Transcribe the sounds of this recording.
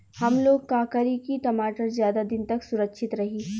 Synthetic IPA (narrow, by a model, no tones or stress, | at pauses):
hɐmloːɡ̚kaːkaɾikiʈɐmaːʈəɾzjaːd̪ad̪ɪnt̪ɐksʊɾəkʃʰɪt̪ɾɐɦiː